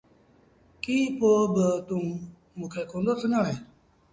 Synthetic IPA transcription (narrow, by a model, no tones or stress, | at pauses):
kiːpoːbət̪ũː | mũkʰɛːkʰõnd̪oːsʰənãːɦeː